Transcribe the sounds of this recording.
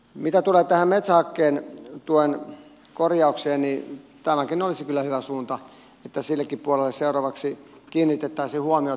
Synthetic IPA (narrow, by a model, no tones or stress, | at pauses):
mit̪æt̪uleːt̪æhæmmet̪sæhɑkːeːnt̪uoen | korjɑukseːnnit̪æmækinolisikylːæhyʋæsuːnt̪ɑ | et̪ːæsilːekːippuɑlelːesseurɑʋɑksi | kiːnːit̪et̪ːæisihuɑmio